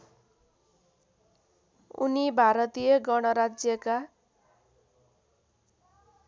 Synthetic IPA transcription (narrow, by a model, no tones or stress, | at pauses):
ṵnibʱaɾʌt̪ijʌɡʌɽ̃ʌɾad͡zjʌka